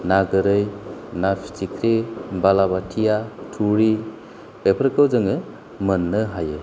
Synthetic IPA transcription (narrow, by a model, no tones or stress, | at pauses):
naɡɯɾɯjnapʰi̥tʰikʰɾebalabatʰijatʰuɾi | pepʰəɾkəwzɯŋɯ | mənːɯɦaje